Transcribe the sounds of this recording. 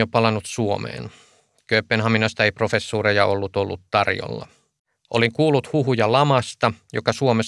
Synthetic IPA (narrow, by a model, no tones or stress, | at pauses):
jopɑlɑnut̪suomḛːn | køøpːenhɑminost̪ɑeiprofesːuːrejɑʔolːut̪olːut̪tɑrjo̰lːɑ̰ | ʔo̰liŋkuːlːˑut̪huɦujɑlɑmɑst̪ɑjokɑsuome